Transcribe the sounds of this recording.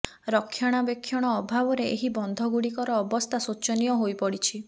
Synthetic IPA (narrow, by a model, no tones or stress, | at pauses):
ɾɔkʰːjaɽ̃abekʰːjɔɽ̃ɔːbʱabɔɾeeɦibɔnd̪ʱɔɡuɽikɔɾɔːbɔst̪ʰasut͡ʃɔnijɔɦojpɔɽit͡ʃʰi